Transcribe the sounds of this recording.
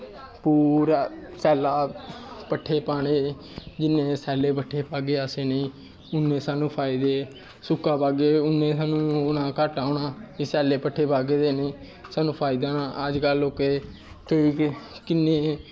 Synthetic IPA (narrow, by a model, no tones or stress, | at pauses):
puːɾaːsɛːlaːpəʈʰːeːpaːɽ̃eː | d͡ʒɪnːẽːsɛːleːpəʈʰːeːpaːɡeːaseːnĩː | ʊnːẽːsaːnũːpʰaːɪid̪eː | sʊkːaːpaːɡeːʊnːẽːsaːnũːʊnãːkəʈaːoːɳaːd͡ʒisɛːleːpəʈʰːeːpaːɡeːd̪eːnĩː | saːnũːpʰaːɪd̪aːnaːəd͡ʒkəlʊkeː | kəiːkɪnːeː